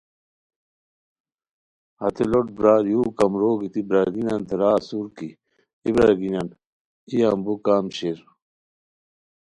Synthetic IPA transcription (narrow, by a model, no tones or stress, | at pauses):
hɐ̰t̪eloʈ̚bɾaːɾjuːkɐmɾoːɡit̪ibɾaɡinant̪ɐɾaːsuɾki | ibɾaɡinan | ijambukaːmɕeɾ